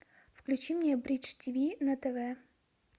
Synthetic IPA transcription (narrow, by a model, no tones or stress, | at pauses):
fklʲʉt͡ɕimɲʲɛbɾʲit͡ʃtʲivʲinɐt̪ɛvɛ